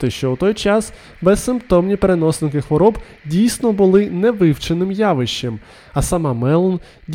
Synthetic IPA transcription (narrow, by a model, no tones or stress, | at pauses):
t̪ɪʃt͡ʃɔwt̪ɔjt͡ʃɑs | bɛssːɪmpt̪ɔmnʲipeɾenɔsnɪkɪxʋɔɾɔb | dʲijsʲnɔbʊlˠɪnɛʋɪwt͡ʃenɪmjɑʋɪʃt͡ʃːem | ɐsɐmɑmɛlˠɔn | dʲ